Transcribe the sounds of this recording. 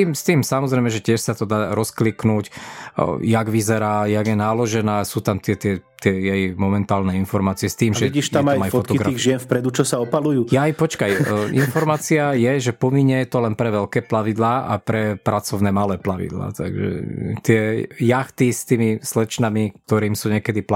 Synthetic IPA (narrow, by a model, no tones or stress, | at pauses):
iːmst̪iːmsamɔzɾɛjmɛʒɛcɪɛʃsat̪ɔd̪aːɾʔɔskliknuːc | jaɡʋizɛɾaːjaɡjɛnaːlɔʒɛnaːsuːt̪amt̪ɪɛt̪ɪɛt̪ɪɛjɛjmɔmɛnt̪aːlnɛinfɔɾmaːt͡siɛst̪iːmʒɛiʃt̪amajmajfɔt̪ɔɡɾaiɣʒɪɛnfpɾɛd̪ut͡ʃɔsaɔpalujuːjajpɔt͡ʃkajḭnfɔɾmaːt͡siajɛʒɛpɔmiɲɛt̪ɔlɛnpɾɛʋɛlkɛːplaʋid̪laːʔapɾɛpɾat͡sɔʊnɛːmalɛːplaʋḭd̪la̰ːt̪a̰ɡʒɛ̰t̪ɪɛjaxt̪ist̪iːmislɛt͡ʃnamikt̪ɔɾiːmsuːɲɛkɛd̪ip